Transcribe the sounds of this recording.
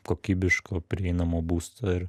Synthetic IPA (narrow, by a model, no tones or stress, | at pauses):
koːkʲiːbʲɪʃkoːpʲɾʲɪɛɪnɐmoːbuːst̪oɪɾ